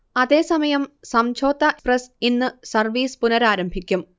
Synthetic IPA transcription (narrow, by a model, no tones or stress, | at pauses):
ɐðe̞ːsɐmɐjɐmsɐmt͡ɕʰo̞ːt̪ːɐprɐsinːɨsɐrʋiːspunɐɾaːɾɐmbʱikʲːum